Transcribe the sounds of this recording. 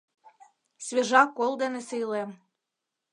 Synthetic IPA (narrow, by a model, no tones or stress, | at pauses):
sβʲeʒɑkːolˠd̪enesɨjlem